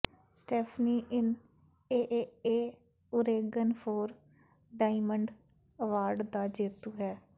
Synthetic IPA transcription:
sʈɛːpʰniːʔɪn | eːʔeeː | ʊɾeːɡənpʰoːɾ | ɖaːɪməɳɖ | əʋaːɾɖd̪aːd͡ʒeːt̪uːɦɛː

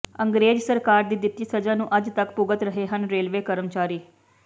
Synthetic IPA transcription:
əŋɡɾeːd͡ʒsəɾkaːɾd̪iːd̪ɪt̪ːiːsəd͡ʒãːnũːʔəd͡ʒt̪əkpʊɡət̪ɾəɦeːɦənɾeːlʋeːkəɾəmt͡ʃaːɾiː

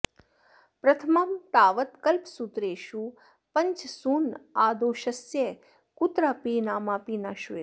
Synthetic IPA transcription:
pɾɐt̪ʰəmamt̪aːʋət̪kəlpsut̪ɾeːʃu | pəɲt͡ʃsuːnaːd̪oːʃəsje | kut̪ɾaːpiːnaːmaːpiːnaːʃue

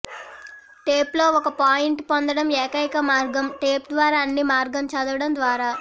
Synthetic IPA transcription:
ʈeːplo̞ːɔkɐpaːjiɳʈpond̪ɐɽɐmeːkɐjkɐmaːɾɡɐmʈeːp̚d̪ʋaːɾaːɐnːimaːɾɡɐmt͡ʃɐd̪ɐʋɐɽɐmd̪ʋaːɾaː

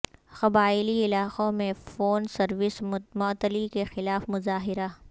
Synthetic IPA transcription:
xɐbaːɪliɪlaːqõmẽfoːnsɐɾʋɪsmʊt̪əlikexɪlaːfmʊzaːɦɪɾa

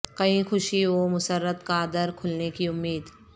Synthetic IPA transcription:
kɐĩxʊʃioːmʊsəɾːət̪kaːd̪əɾkʰʊlnekiʊmːiːd̪

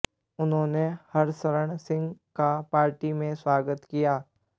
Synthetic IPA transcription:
ʊnɦõːnehɐɾsəɾəɳ̃sɪ̃ŋɡkapaːɾʈimẽswaːɡət̪kijaː

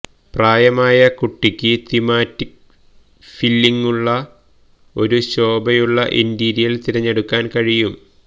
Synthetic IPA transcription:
praːjɐmaːjɐkuʈːikʲːɨt̪imaːtːik̚ | filːiŋːuɭːɐ | o̞ɾuɕo̞ːbɐjuɭːɐʔindiːɾijɐlt̪iɾɐɲːe̞ɽukːaːnkɐɻijum

